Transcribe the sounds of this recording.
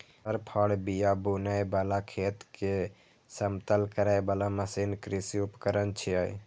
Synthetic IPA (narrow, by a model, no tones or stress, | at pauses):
əɾpʰəɽbijabunajbalakʰeːt̪ke | səmt̪əlkəɾajbalaməsinkɾisiupkəɾənt͡ʃʰiəj